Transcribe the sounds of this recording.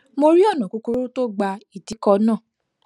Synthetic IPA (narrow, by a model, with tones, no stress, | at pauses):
mo˧ɾi˦ɔ˦˨nã˨ko˨˧ku˧ɾu˦to˦ɡ͡ba˧i˦˨ti˨˦kɔ˧nã˦˨